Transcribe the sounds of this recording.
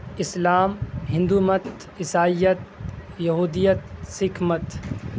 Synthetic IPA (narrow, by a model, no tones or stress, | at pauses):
ɪslaːmɦɪ̃nd̪uːmɐt̪ | ɪsaːijət̪̚jɐɦuːd̪ijət̪sɪkʰmət̪